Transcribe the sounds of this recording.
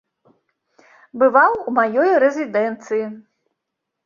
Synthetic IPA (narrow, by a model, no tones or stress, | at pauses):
bɨvawumajɔjɾɛzʲid̪ɛnt̪sɨji